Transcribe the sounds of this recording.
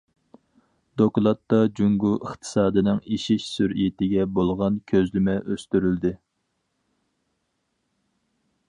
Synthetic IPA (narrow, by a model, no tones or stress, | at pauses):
d̪̥oklˠɑt̪ːɑd͡ʒuŋɡuəχt̪ʰɨ̥sɑːd̪ɨnɪŋiʃiʃsyɾijit̪ɪɡʲɛbolˠʁɑnkʲʰøzlɪmɛʔøst̪yɾyld̪ɪ